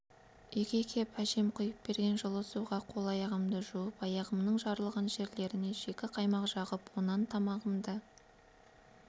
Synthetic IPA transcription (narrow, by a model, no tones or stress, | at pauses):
ʏjkʲe̞kʲʰe̞pʰæʃe̞mqʰʊjəp̚be̞ɾɡʲe̞nʒəlˠəsuʁɑqʰo̞lˠɑjɑʁəmd̪əʒuwəpɑjɑʁəmnəɴʒɑɾəlˠʁɑnʒe̞ɾle̞ɾɪne̞ʒe̞kʲɪqʰɑjmɑqʒ̥ɑʁəpwonɑnt̪ʰɑmɑʁəmd̪ə